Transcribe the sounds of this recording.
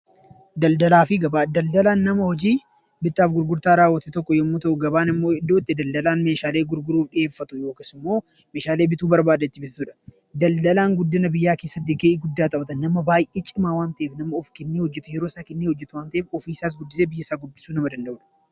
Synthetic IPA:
d̪ɐld̪ɐlaːfɪɡɐbad̪ɐld̪ɐlaːnːɐmɐhɔd͡ʒiː | bɪt̪ːaːfɡʊɾɡʊɾt̪aːɾaːwːɐt̪ɛt̪ɔkːɔjɔmːuːt̪ɐʔʊɡɐbaːnɪmːo̞ːɪd̪ːoːt̪ːɪd̪ɐld̪ɐlaːnme̞ːʃaːle̞ːɡʊɾɡʊɾuːfɗɪʔe̞ːfːɐt̪ʊjo̞ːkeːsɪmːo̞ː | meːʃaːle̞ːbɪt̪uːbɐɾbaːd̪ɐt̪ːɪbɪt̪suːᶑɐ̥ | d̪ɐld̪ɐlaːŋɡʊd̪ːɪnɐbɪjːaːke̞ːsːɐt̪̬ːɪɡeːʔɪɡʊd̪ːaːt̪ʼɐbɐt̪ɐnːɐmɐbaːjʔeːt͡ʃʼɪmaːwaːnt̪ɐʔeːfnɐmɐʊfkɛnːeːhɔd͡ʒːɛt̪ʊjɛɾo̞ːsaːkɛnːeːhɔd͡ʒːɛt̪ʊwaːnt̪ɐʔeːfɔfiːsaːs̬ɡʊd̪ːɪseːbɪjːɐɪsaːɡʊbːɪ̥suːnɐmɐd̪ɐnd̪ɐʔʊᶑɐ̥

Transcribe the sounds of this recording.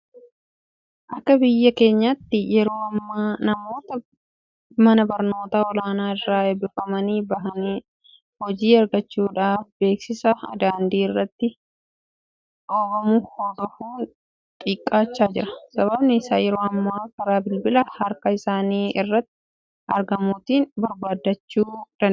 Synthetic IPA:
ʔɐkːɐbɪjːɐke̞ːɲːat̪ːɪjɛɾo̞ːɐmːaːnɐmo̞ːt̪ɐ | mɐnɐbɐɾno̞ːt̪aːɔlaːnaːɪrːaːɛbɪfɐmɐniːbɐɦɐniː | hɔd͡ʒiːɐɾɡɐt͡ʃːuːᶑaːfbe̞ːksɪsɐɐ̰d̪aːnd̪iːɪrːɐt̪ːɪ | ʔoːbɐmʊhod̪ɔfuːn | t̪ʼiːkʼːaːt͡ʃːaːd͡ʒɪɾɐ̥sɐβɐbnɪɪsa̰ːjɛɾo̞ːɐmːaːkɐɾaːbɪlbɪlɐhɐɾkɐɪsaːniːɪrːɐt̪ːɪ̥ | ɐɾɡɐmuːt̪iːnbɐɾbaːd̪ɐt͡ʃːuːᶑ̪ɐn

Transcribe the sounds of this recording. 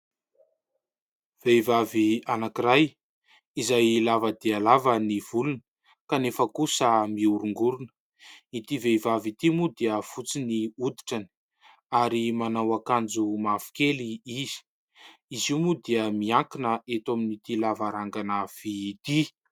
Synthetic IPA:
v̥eivavianakiɾaj | izajlavəd̪ialavəniv̥ulunə | kanefəkusəmiuɾuŋɡuɾunə̥ | it̪iveivavit̪imud̪eəfut͡siniud̪i̥ʈ͡ʂani̥ | aɾimanawakand͡zumafu̥keliiz̥i̥ | iziumud̪iəmiaŋkinəʔet̪ominit̪ilavaɾaŋɡanəv̥it̪i

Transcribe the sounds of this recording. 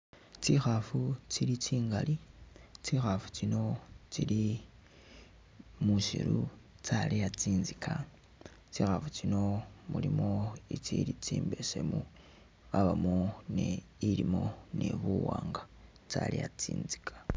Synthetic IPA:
t͡sixafut͡silit͡ʃiːŋɡalit͡sixafu̥t͡sino̞t͡sili | muʃḭɾu | t͡salejat͡siːnzikʰa | t͡siːxafut͡sino̞mulimo̞it͡silit͡siːmbe̞se̞mu | aβamoneilimo̞nḛβuwaːŋɡa | t͡sa̰lḛjat͡sḭːnzi̥kʰḁ

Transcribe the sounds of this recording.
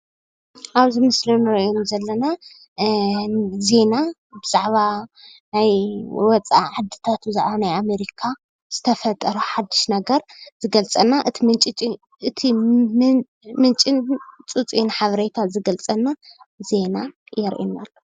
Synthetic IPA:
ʔaβzimɨslinɨɾʔonzɐlːɐna | ze̞na | bɨzaʕβanajwɔt͡sʼaʕad̪ɨt̪ʰat̪bɨzaʕβanajame̞ɾikʰa | z̥ɨt̪ʰɐfɐt̪ʼːɐɾuħad̪ːɨ̥ʃnɐɡɐɾzɨɡɐlt͡sʼɐnːaʔɨt̪ʰimɨnt͡ʃʼit͡ʃʼi | ɨt̪ʰi | mɨnt͡ʃʼint͡sʼut͡sʼinħaβɐɾet̪ʰazɨɡɐlt͡sʼɐnːa | ze̞najɛɾʔḭnːalːo

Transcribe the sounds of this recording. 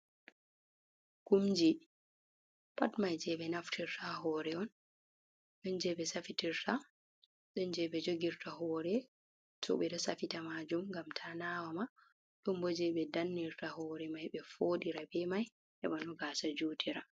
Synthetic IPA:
kumd͡ʒi | pa̰tmajd͡ʒɛɓɛnaftʰiɾtʰaɦɔːɾɛɔn | ɗɔnd͡ʒɛɓɛsafitiɾtʰa | ɗɔnd͡ʒɛɓɛd͡ʒoɡiɾtaɦɔːɾɛ | tʰɔ̰ɓɛɗɔsafitamad͡ʒumŋɡamtʰanawama | ɗɔmbod͡ʒɛɓɛdanːiɾtaɦɔːɾɛmajɓɛfoɗiɾabɛmaj | ʔɛ̰ɓɔnɔɡaːsad͡ʒutʰiɾa

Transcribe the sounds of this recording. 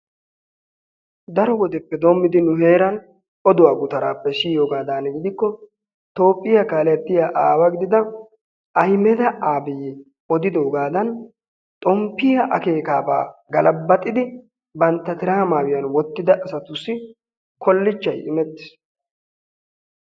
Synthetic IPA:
d̪ɐɾɔwɔd̪ɛpːɛd̪oːmːɪd̪ɪnʊɦe̞ːɾɐn | ɔd̪ʊwaːɡʊt̪ɐɾa̰ːpːɛʃiːjoːɡaːd̪aːnɛɡɪd̪ɪkːɔ | t̪o̞ːpʼːɪjɐkaːlɛt̪ːɪjaʔaːwɐɡɪd̪ɪd̪ɐ | ɐjmɛd̪ɐʔaːbɪjɛ | ɔd̪ɪd̪oːɡaːd̪ɐn | t̪ʼɔmpːɪjɐʔɐke̞ːkaːba̰ːɡɐlɐbːɐt̪ʼːɪd̪ɪ | bɐnt̪ːɐt̪ɪɾaːmaːwɪjɐnwɔt̪ːɪd̪ɐʔɐsɐt̪ʊsːɪ | kʰɔlːɪt͡ʃːɐjɪmɛt̪ːɪ̥s

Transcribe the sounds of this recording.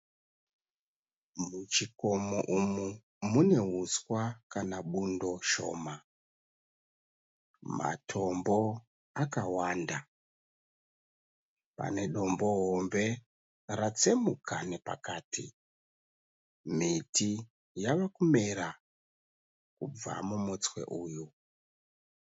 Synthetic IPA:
mut͡ʃikomoʔumu | mune̞ɦuskwakanaɓundo̞ʃo̞̰ma | ma̰tʰo̞mbo̞ | akawanda | pa̰ne̞ɗo̞mbo̞ɦombe̞ | rat͡semukʰanepa̰kaːtʰi | mitʰi | jaʋakume̞ɾa | kub͡va̰mumut͡swe̞̰ʔuːju

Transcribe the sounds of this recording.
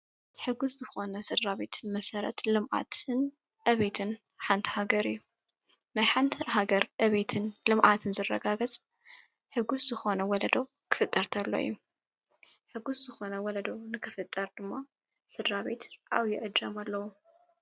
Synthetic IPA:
ħɨɡuszɨxo̞nɐsɨd̪ɾaβe̞t̪ʰmɐsɐɾɐ̰t̪lɨmʔa̰t̪ʰɨn | ʔɐβet̪ʰɨn | ħant̪ʰɐ̥haɡɐɾɨjːu | najħant̪ʰɐɾɦaɡɐɾʔɐβet̪ʰɨnlɨmʔat̪ʰɨnzɨrɐ̰ɡaɡɐt͡sʼ | ħɨɡuszɨxo̞nɐwɔlɐd̪o | kʰɨ̥fɨt̪ʼːɐɾt̪ʰɐlːo̰ḭjːu | ħɨɡuszɨxo̞nɐwɔlɐd̪onɨkʰɨfɨt̪ʼːɐɾd̪ɨmːa | sɨd̪ɾaβe̞t̪ʔa̰wjɪʔɨd͡ʒ̪ɐmalːɐwu

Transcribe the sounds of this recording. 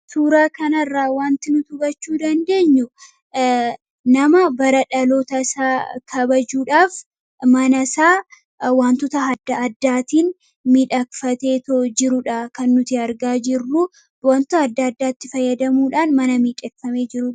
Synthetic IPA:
suːɾaːkɐnɐrːaːwaːnt̪ɪnʊt̪ʊbɐt͡ʃːuːd̪ɐnd̪e̞ːɲːʊ | nɐmɐbɐɾɐᶑɐloːt̪ɐsaːkʰɐbɐd͡ʒuːᶑaːf | mɐnɐsaː | waːnt̪ʊt̪ɐɦɐd̪ːɐɐd̪ːaːt̪iːn | miᶑɐkfɐt̪e̞ːt̪od͡ʒɪɾʊᶑɐkɐnːʊt̪ɪɐɾɡaːd͡ʒɪrːu | waːnt̪ʊɐd̪ːɐɐd̪ːaːt̪ːɪfɐjːɐd̪ɐmuːᶑaːnmɐnɐmiːᶑɛkfɐme̞ːd͡ʒɪɾʊ

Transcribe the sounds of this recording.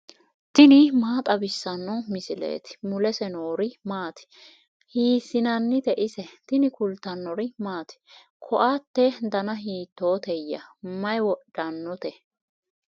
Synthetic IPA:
t̪ɪnɪmaːt̪ʼɐbɪsːɐnːɔmɪsɪlḛːt̪ɪ̥mʊlɛsɛnoːɾɪmaːt̪ɪ̥ | hiːsːɪnɐnːɪt̪ɛʔɪsɛt̪ɪnɪkʊlt̪ːɐnːɔɾɪmaːt̪ɪ̥ | kʰɔʔat̪ːɛd̪ɐnɐɦiːt̪ːoːt̪ɛjːɐ̰mɐjwɔɗːɐnːɔt̪ɛ

